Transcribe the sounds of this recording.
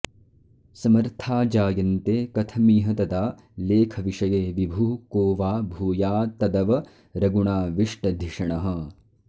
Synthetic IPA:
sɐmɐɾt̪ʰaːd͡ʒaːjɐnt̪eːkɐt̪ʰɐmiːɦɐt̪ɐd̪aː | leːkʰɐʋiʂɐjeːʋibʱuːkoːʋaːbʱuːjaːt̪ɐd̪ɐʋɐ | ɾɐɡuɳaːʋiʂʈɐd̪ʱiʂɐɳɐɦɐ̆

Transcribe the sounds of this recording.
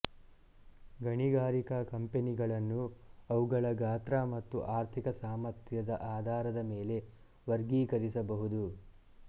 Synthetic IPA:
ɡɐɳiɡaːɾikɐkɐmpeniɡɐɭɐnːuɐʋuɡɐɭɐɡaːt̪ɾamɐt̪ːuʔaːɾt̪ʰikɐsaːmɐɾt̪ʰjɐd̪ɐʔaːd̪ʱaːɾɐd̪ɐmeːle̞ | ʋɐɾɡiːkɐɾisɐbɐɦud̪u

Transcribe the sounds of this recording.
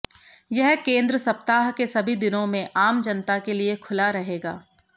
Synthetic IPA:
jɛɦkẽːnd̪ɾəsɐpt̪aːɦkesɐbʱid̪ɪnõmẽʔaːmd͡ʒɐnt̪akeliekʰʊlaɾɐɦeːɡaː

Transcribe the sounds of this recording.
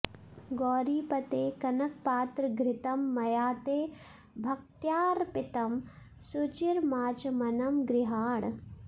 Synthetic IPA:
ɡɔːɾiːpɐt̪eːkɐnɐk̚paːt̪ɾɐɡɾɪt̪ɐmːɐjaːt̪eː | bʱɐk̚t̪jaːɾpit̪ɐm | sut͡ʃiɾmaːt͡ʃɐmɐnɐmɡɾɪɦaːɳ

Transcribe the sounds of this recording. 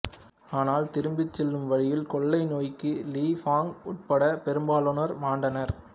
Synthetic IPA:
aːnaːlt̪ɪɾɯmbɪt͡ʃːɛlːɯmʋɐɻɪjɪlkɔɭːɐɪnoːjkːɯliːfaːŋʊʈ̚pɐɽɐpɛɾɯmbaːloːnɐɾmaːɳɖɐnɐɾ

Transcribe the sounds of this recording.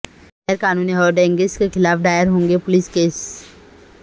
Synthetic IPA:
ɛɾkaːnuːniɦɔːɖɛ̃ːŋɡeskexʰɪlaːpʰɖaːjəɾɦõːŋɡepʊlɪskeːs

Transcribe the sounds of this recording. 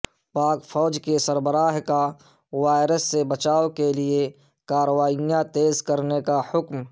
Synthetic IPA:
paːkfʰɔːd͡ʒkesɐɾbəɾaːɦka | waːɪɾəsːebɐt͡ʃaːokelie | kaːɾəʋaːijãt̪eːzkɐɾnekahʊkm

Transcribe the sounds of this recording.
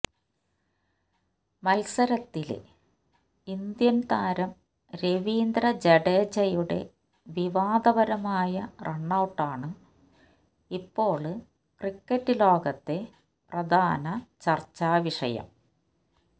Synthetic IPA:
mɐlsɐɾɐt̪ːil̰ | ind̪jɐnt̪aːɾɐm | ɾeʋiːnd̪ɾɐd͡ʑeɽeːd͡ʑɐjuɽe̞̰ | ʋiʋaːd̪ɐbɐɾɐmaːjɐreɳːɐwʈːaːɳɨ | ipːo̞ːɭɨ | krikːɐtːɨlo̞ːɡɐt̪ːe̞ | prɐd̪ʱaːnɐt͡ɕɐrt͡ɕːaːʋiʂɐ̰jɐ̰m

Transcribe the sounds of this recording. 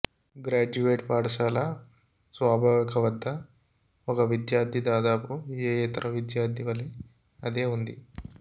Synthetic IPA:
ɡɾaːd͡ʒuʋeːʈpaːɽɐʃaːlɐ | sʋaːbʱaːʋikʰɐʋɐd̪ʱːɐ | ɔkɐʋid̪jaːɾd̪ʱid̪aːd̪aːpueːjeːt̪ɐɾʔɐʋid̪jaːɾd̪ʰʱiʋɐli | ɐd̪eːund̪i

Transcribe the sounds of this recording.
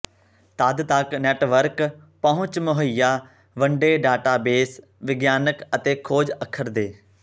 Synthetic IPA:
t̪aːd̪t̪aːkneːʈʋəɾk | pɐɦʊ̃t͡ɕmʊɦəjːaː | ʋɐ̃ɳɖeːɖaːʈaːbeːs | ʋɪɡjaːnəkət̪eːkʰoːd͡ʒəkʰəɾd̪eː

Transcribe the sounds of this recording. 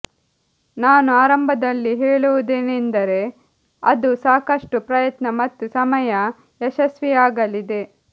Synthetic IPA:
naːnuaːɾɐmbʱɐd̪ɐlːiɦeːɭuʋud̪eːnend̪ɐɾe̞ | ɐd̪usaːkɐʂʈupɾɐjɐt̪nɐmɐt̪ːusɐmɐjɐ | ɛʃɐsʋiaːɡɐlid̪e̞

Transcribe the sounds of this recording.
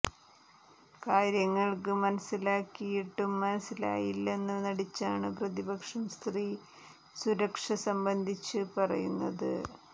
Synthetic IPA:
kaːɾjɐŋːɐɭkɨmɐnɐsːilaːkːijiʈːumːɐnɐsːila̰ːjilːe̞nːɨnɐɽit͡ɕːaːɳɨprɐðibɐkʂɐmst̪riː | suɾɐkʂɐsɐmbɐnd̪ʱit͡ɕːɨpɐrɐ̰junːɐ̰ðɨ̰

